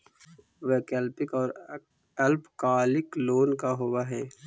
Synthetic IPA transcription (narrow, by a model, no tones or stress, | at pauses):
ʋekɛlpɪkɔːɾ | ɛlpkaːlɪkloːnkaɦowaɦɛː